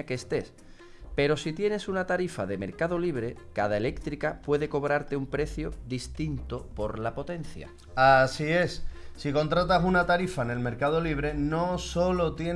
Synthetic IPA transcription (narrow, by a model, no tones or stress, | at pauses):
akeːst̪e̞s | pe̞ɾo̞sit̪je̞ne̞sunat̪aɾifa̰ðe̞me̞ɾkað̞o̞liβ̞ɾe̞kaðae̞le̞kt̪ɾikapwe̞ðe̞ko̞βɾaɾt̪e̞umpɾe̞θjoðist̪int̪opo̞ɾlapo̞t̪e̞nθja̰ | asie̞sːiko̞nt̪ɾat̪asunat̪aɾifaene̞lme̞ɾkað̞oliβ̞ɾe̞no̞so̞lo̞t̪je